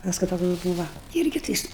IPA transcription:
ˈpɑːskʊɪ ˈtoːks ˈbuːʋɐ ˈɪrʲɡʲɪ tɐɪ ˈjɪs

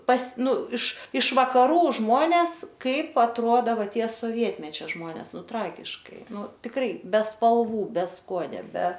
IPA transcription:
pɐs ˈnʊ ɪʃ ɪʃ ʋɐkɐˈruː ˈʒmoːnʲɛs ˈkɐɪp ɐtˈruɔdɐ ˈʋɐ ˈtʲiɛ soːˈʋʲiɛtʲmʲɛt͡ʃʲɛ ˈʒmoːnʲɛs ˈnʊ ˈtrɑːɡʲɪʃkɐɪ ˈnʊ tʲɪkˈrɐɪ bʲɛ spɐlˠˈʋuː bʲɛ ˈskuɔnʲoː bʲɛ

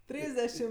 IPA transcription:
ˈtʲrʲiːzʲdʲɛʃʲɪm

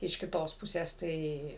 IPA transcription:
ɪʃ kʲɪˈtoːs ˈpʊsʲeːs ˈtɐɪ

